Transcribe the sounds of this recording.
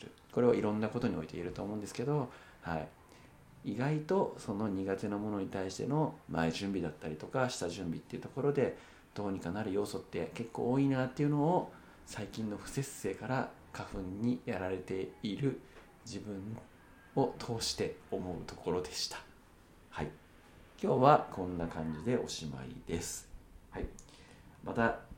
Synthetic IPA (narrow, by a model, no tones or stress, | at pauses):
ɾɯ̟̰ | ko̞ɾe̞βa̰iɾõ̞nːako̞t̪o̞ɲ̟io̞it̪e̞̰iɾɯ̟t̪o̞ːmo̞ɯ̟nd̪esɨ̥ke̞d̪o̞ | haḭ | iɡait̪o̞so̞no̞ɲ̟iɡat̪enomo̞no̞ɲ̟it̪aiɕi̥t̪e̞̰no̞ma̰iʑɨ̃mbʲid̪at̪ːaɾʲit̪o̞kaɕi̥t̪aʑɨ̃mbʲit̪ːe̞iɯ̟t̪o̞ko̞ɾo̞d̪e̞ | d̪̥o̞ːɲ̟ikanaɾɯ̟jo̞ːso̞t̪ːe̞̰ke̞kːo̞̰ːinat̪ːe̞iɯ̟no̞ː | saikʲĩnːo̞ɸɯ̟̥se̞se̞ːkaɾa | kaɸɯ̟̃ɲ̟ːijaɾaɾe̞t̪e̞iɾɯ̟ | d͡ʑibɯ̟̃ɴ̃ | o̞t̪ʰo̞ːɕi̥t̪e̞o̞mo̞ɯ̟̰t̪o̞ko̞ɾo̞d̪e̞ɕi̥t̪ḁ | hai | kʲo̞ːβakõ̞nːakãɲ̟d͡ʑid̪e̞ʔo̞ɕima̰ḭd̪e̞sɨ̥hai | mat̪a